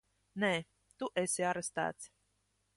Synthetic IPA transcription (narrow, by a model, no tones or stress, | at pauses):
neː | t̪uʔɛsiaɾest̪æ̰ːt̪s